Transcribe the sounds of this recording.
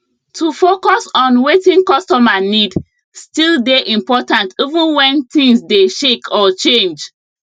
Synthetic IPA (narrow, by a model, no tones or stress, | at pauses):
tʰufokɔsɔ̃nwetĩŋkɔstɔmanid | stildeʔĩmpɔtãntivũnwɛ̃nt̪ĩŋsdeʃekʰɔt͡ʃẽnd͡ʒ